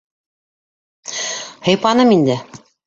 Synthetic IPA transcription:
hɤ̆jpɑnɤmind̪ɘ

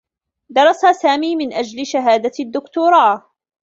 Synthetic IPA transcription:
d̪ɑɾˤɑsasaːmiːmɪnʔad͡ʒlɪʃaɦaːd̪ad̪ːʊkt̪uːɾˤɑː

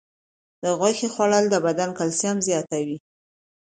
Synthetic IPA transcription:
d̪əɣwaxexwaɽald̪əbad̪ankalsjamzjɑt̪awi

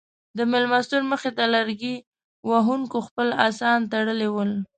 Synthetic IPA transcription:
d̪əmɪlmast̪uɾməxet̪alaɾɡi | waɦuŋkoxpəla̰sɑnt̪aɽəlewəl

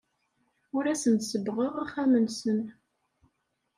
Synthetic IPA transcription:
ʊɾæsənt̪səbʁəʁaχæmənsən

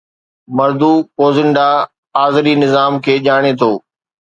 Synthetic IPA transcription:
mɐɾd̪uːkoːzɪɳɖa | aːzɾinɪzaːmkʰeːʄaːɽ̃et̪ʰoː

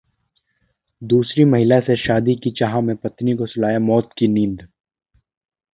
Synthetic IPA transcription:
d̪uːsɾimɐɦɪlaseʃaːd̪ikit͡ʃaɦãmẽpɐt̪nikosʊlaːjamɔːt̪kinĩːnd̪

